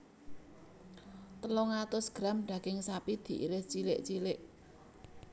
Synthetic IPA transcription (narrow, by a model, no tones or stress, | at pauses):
t̪əlɔŋat̪ʊsɡ̥ɾamɖ̥ä̤ɡ̥ɪŋsapid̪̥i̤ʔḭɾɪht͡ʃilɪʔt͡ʃilɪʔ